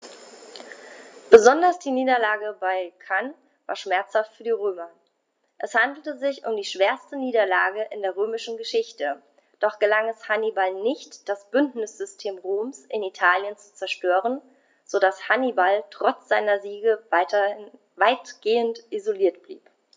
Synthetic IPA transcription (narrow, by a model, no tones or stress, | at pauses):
b̥əzɔndɐsd̥iːniːdɐlaːɡəbaɪkʰan | va̰ːɐʃmɛɐt͡shaftfyːɐdiːʁøːmɐ | ʔɛshandl̩təzɪçʊmdiːʃv̥eːɐstəniːdɐlaːɡəʔɪndeːɐʁ̞øːmɪʃn̩ɡəʃɪçtə | d̥ɔχɡ̥əlaŋɛshanibalnɪçtd̥asb̥ʏndnɪsz̥ʏstʰeːmʁoːmsʔɪnitʰaːljənt͡su̥t͡sɛɐʃtøːʁən | z̥odashanibaltʁ̥ɔt͡sz̥aɪnɐziːɡə | vaɪtɡ̥eːəntʔizoliːɐtb̥lḭːp